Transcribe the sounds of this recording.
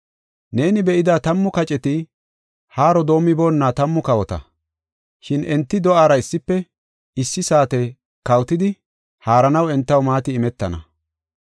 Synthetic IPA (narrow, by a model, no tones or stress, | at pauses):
ne̞ːnɪbɛʔɪd̪aːt̪ɐmːʊkɐt͡ʃʼɛt̪ɪ | haːɾɔd̪o̞ːmːɪbo̞ːnːaːt̪ɐmːʊkɐwɔt̪ɐ̰ | ʃɪnɛnt̪ːɪd̪ɔʔaːɾɐɪsːɪpːɛ | ɪsːɪsaːt̪ɛ | kɐwt̪ɪd̪ɪ | haːɾɐnɐwɛnt̪ːɐwmaːt̪ɪːmɛt̪ːɐnɐ̰